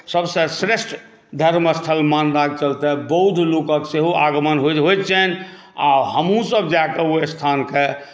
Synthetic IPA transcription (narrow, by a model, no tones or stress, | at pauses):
səbsesɾesʈ | d̪ʱəɾməst̪ʰəlmanɾaɡ̚t͡ʃəlt̪ɛbəɦud̪ʱlokə̃kseɦuaɡmənɦoɦojt͡ʃʰɛn | a̰ɦəmɦũsəbd͡ʒakeoest̪ʰanke